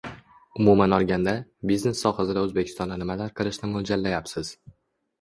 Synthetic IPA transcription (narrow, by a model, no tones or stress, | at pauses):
ʊmumanɒɾˠɡʲand̪abizne̞sːɒχasɪd̪aɵzbekʲʰɪ̥st̪ɒnd̪anɪmalaɾqʰɨlˠɪʃnɪmold͡ʒalːajapsɪz̥